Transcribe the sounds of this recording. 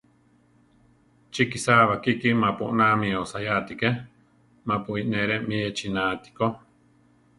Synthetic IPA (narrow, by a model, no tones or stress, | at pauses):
t͡ʃikisaβakikimãpuʔnãmĩosajat̪ike | mãpuineɾemĩet͡ʃinaːt̪i̥ko